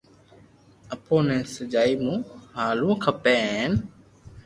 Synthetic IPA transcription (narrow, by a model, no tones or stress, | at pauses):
əpoːnɛ̃ːsəd͡ʒaːiːmũːhaːlũːkʰəpẽːn